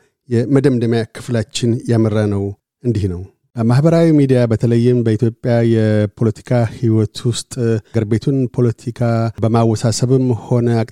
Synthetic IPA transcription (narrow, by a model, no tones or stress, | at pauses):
jɛməd̪əmd̪əmjakʰɨ̥flat͡ʃːɪnjamərːanəw | ɨnd̪ihnəw | əmahbəɾawimid̪ijabət̪ʰələjːɪmbəit̪jo̞pʼːjajɛpʰo̞lət̪ʰi̥kʰahiwɔt̪ʰwʊst̪ʼɡəɾbe̞t̪ʰunpʰo̞lət̪ʰikʰabəmawːɔsasəβɨmho̞nəa